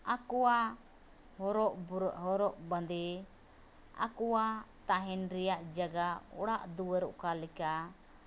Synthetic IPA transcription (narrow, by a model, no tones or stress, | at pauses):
akɔa | hɾɔʔɦɔɾɔʔband̪ɛ | a̰kuwat̪aɦɛnɾɛjaʔd͡ʒaɡaɔ̰ɽaʔd̪uwəɾɔ̰ʔkalɛka